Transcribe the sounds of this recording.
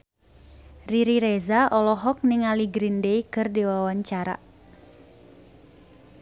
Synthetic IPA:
riɾiɾɛzaʔɔlɔɦɔk̚niŋaliɡɾindeikɨrdiwawaɲt͡ʃaɾa̰

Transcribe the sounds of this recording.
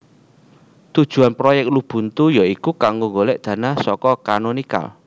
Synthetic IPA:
t̪ud̥ʒ̥ṳanpɾojɛk̚tlub̥ṳnt̪ujaikukaŋɡoŋɡolɛʔd̪̥ä̤nahsɔkɔkanonika̰l

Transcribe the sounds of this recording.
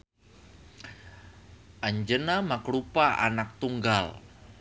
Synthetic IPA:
ʔaɲd͡ʒənamakɾupaʔa̰nak̚t̪uŋɡal

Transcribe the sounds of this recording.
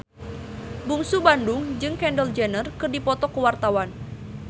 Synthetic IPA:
buŋsubandʊŋd͡ʒɨŋkɛndəld͡ʒɛnərkɨrdipɔt̪ɔkəwart̪awan

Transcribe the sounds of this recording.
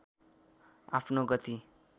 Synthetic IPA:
a̰pʰnoɡʌt̪i

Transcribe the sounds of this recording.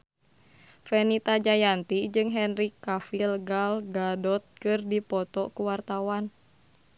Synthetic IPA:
fɛnit̪ad͡ʒajant̪id͡ʒɨŋɦɛnɾikːafilɡalɡadɔt̪̚kɨrdipɔt̪ɔkuwart̪awan

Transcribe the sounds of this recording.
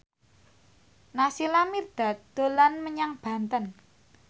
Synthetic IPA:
nasilamird̪̥a̤d̪̥o̤lanməɲaŋb̥a̤nt̪ən

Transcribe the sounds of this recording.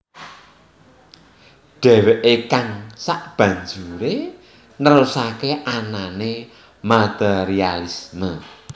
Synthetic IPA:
ɖ̥ɛ̤weʔekaŋsaʔb̥ä̤ɲd͡ʒuɾe | nəɾusakeʔanane | mat̪ɛɾialismə

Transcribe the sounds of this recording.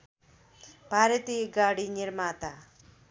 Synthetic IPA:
bʱaːɾət̪iɡaːɽiniɾmaːt̪a

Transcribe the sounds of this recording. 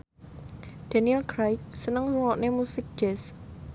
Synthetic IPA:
d̪̥a̤niɛlɡɾajk̚sənəŋluŋɔʔnemusɪk̚d͡ʒ̥ɛs

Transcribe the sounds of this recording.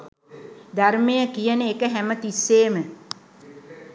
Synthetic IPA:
d̪aɾmejəkijənəekəɦæmət̪isːeːmə

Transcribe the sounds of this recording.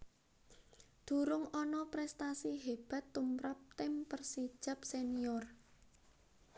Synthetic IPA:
d̪̥ṳɾʊŋɔnɔpɾɛst̪asiɦeb̥a̤t̪ːumɾap̚t̪ɪmpərsid̥ʒ̥a̤p̚seniɔr

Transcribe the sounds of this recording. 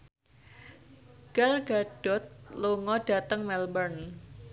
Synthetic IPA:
ɡ̥alɡ̥aɖ̥ɔt̪̚loŋɔɖ̥a̤t̪əŋmɛlbərn

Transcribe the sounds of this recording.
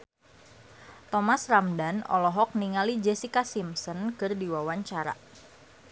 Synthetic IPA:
t̪ɔmasramdanɔ̰lɔɦɔk̚niŋalid͡ʒesikasimsɔnkərdiwawaɲt͡ʃaɾa̰

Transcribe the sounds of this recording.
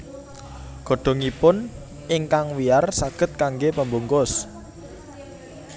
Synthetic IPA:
ɡ̥ɔ̤ɖ̥ɔ̤ŋipʊn | ɪŋkaŋwiarsaɡ̥ə̤t̪̚kaŋɡepəmbuŋkʊs

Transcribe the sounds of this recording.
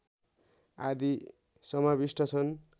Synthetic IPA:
a̰d̪i | sʌmabisʈʰʌt͡sʰʌn

